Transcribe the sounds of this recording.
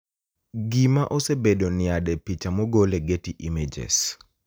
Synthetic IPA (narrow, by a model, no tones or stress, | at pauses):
ɡimaʔosebedonɪadɛpit͡ʃamoɡoleɡetiʔimed͡ʒḛs